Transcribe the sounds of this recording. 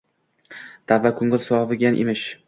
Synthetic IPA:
d̪̥avːakʰʊŋɪlsʊɒvɪɡʲanʔɪ̰mɪʃ

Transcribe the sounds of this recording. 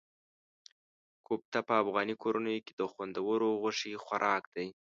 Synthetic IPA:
kʰop̚t̪apəːfɣɑnikʰoɾanəjoked̪əxwand̪awəɾoɣʊʂixwaɾʔɑkd̪aj

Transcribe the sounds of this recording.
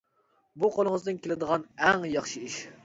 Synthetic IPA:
buqʰolˠəŋəzd̪ɨnkʲelɪd̪əʁɑnɛŋjɑχʃɨiʃ

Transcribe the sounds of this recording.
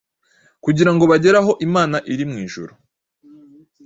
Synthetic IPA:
kuɟiɾaŋɡo̞βaɟe̞ɾaɦo̞ʔimaːnaʔiɾimŋiːʒṵɾu

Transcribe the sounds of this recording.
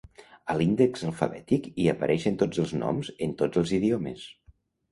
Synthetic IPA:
əlind̪əkzəlˠfə̰βɛt̪ikiəpəɾʔɛʃənt̪od͡zəlˠznɔ̰mzənt̪od͡zəlˠziðioməs

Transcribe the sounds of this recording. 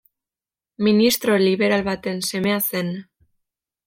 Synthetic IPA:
minist̪ɾo̞liβe̞ɾalβat̪e̞nse̞mease̞n

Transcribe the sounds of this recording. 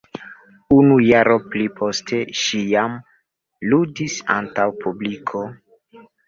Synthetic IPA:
unujaɾo̞plipʰo̞stʰe̞ʃijam | ludisa̰ntawpublikʰo̞

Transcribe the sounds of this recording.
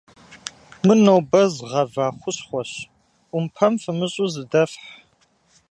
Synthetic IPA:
mɨnowbɐzʁɐvaːχʷʊɕχʷɔɕʷ | ʊmpʰɐmfɨmɨɕʼuzɨdɐfħ

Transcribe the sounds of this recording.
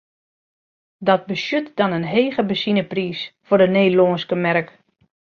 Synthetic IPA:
dɔt̚bəsjøtdɔnənɦeːɣəbəsinəpriːsfʊrdəneːloːnskəmɛrk

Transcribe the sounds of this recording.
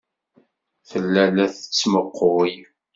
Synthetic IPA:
θəlːælæθə̥t͡sːməqːoj

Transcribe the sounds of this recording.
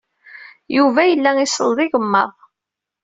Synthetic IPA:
juvæjəlːæisəlˤðˤiʝəmːə̰ðˤ

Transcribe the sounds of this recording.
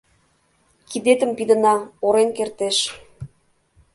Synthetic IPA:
kid̪et̪ə̆mpid̪ə̆nɑoɾenkert̪eʃ

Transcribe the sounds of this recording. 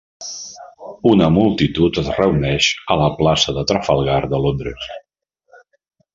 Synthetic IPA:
unəmulˠt̪it̪ut̪əzrəunɛʃələplasəðət̪ɾəfəlˠɣaɾd̪əlond̪ɾəs

